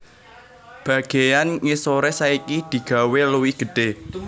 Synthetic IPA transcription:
b̥ä̤ɡ̥e̤janŋisoɾɛsaikid̪̥i̤ɡ̥ä̤weluwiɡ̥ə̤ɖ̥e̤

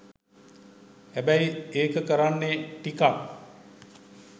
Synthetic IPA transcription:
hæbæjeːkəkəɾanːeʈikak

